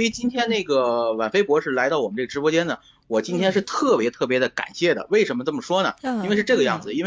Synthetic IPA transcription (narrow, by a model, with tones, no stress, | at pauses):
ɔ˧˥i˨˩t͡ɕi˥nt̪ʰjɛ˥nne˥˩ɡə˩wa̰˨˩nfe˥ɪpwɔ˧˥ʂɻ̩˥˩la˧˥ɪt̪ɑ˥˩ʊɔ˨˩ə˦nʈ͡ʂɤ˥˩ə˩ʈ͡ʂɻpwɔ˥t͡ɕjɛ˥nd̪ə˨ | wɔ˨˩t͡ɕi˥nt̪ʰjɛ˥nʂɻ̩˥˧t̪ʰɤ˥˩pjɛ˧˥t̪ʰɤ˥˩p̬jɛ˧˥d̪ə˧ka̰˨˩nɕjɛ˥˩d̪ə̰˩we˥˩ɪʂə˧˥nmə˧t͡sɤ˥˩mə˩ʂwɔ˥nə̰˩i˥e˥˧ɪʂɻ̩˥˧ʈ͡ʂɤ˥˩ɡə˧jɑ̰˥˩ŋd͡zɹ̩˩i˥nwe˥˧